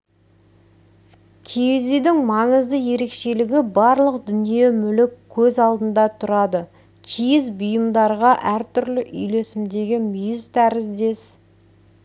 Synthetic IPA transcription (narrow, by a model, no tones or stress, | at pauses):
kʲʰejezijd̪ɪŋmɑɴəzd̪əje̞ɾe̞kʃe̞lɪɡʲɪbɑɾlˠəqd̪ʏnije̞mʏlɪkʲʰːɵzɑlˠd̪ənd̪ɑt̪ʰʊɾɑd̪ə | kʲʰijɪzbʊjəmd̪ɑɾʁɑʔæɾt̪ʰʏɾlɪʔʏ̰jle̞sɪmd̪e̞ɡʲɪmʏjɪzt̪ʰæɾɪzd̪e̞s